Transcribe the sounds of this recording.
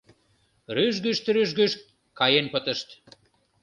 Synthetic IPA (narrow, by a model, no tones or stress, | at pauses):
ryʒɡyʃt̪ɾyʒɡyʃ | kɑjenpə̆t̪ə̆ʃt̪